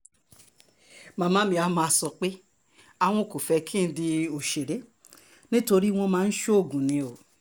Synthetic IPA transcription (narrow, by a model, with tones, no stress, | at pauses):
mã˨˧mã˦mĩ˧a˧˦mãː˧˨sɔ˧k͡pe˦ | a˨w̃ɔ̃˧˨ko˨fɛ˧kʰĩ˦n̩˦di˧o˨ʃe˨ɾe˨˦ | nĩ˦to˧ɾi˦w̃ɔ̃˧mãː˦˧n̩˦ʃo˦o˦˨ɡũ˨nĩ˨˦o˨